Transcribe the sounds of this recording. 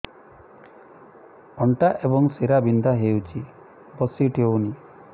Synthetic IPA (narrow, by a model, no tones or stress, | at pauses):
ɔɳʈaʔebɔŋseɾabind̪ʱaɦewt͡ʃʰi | bɔsiʈʰewni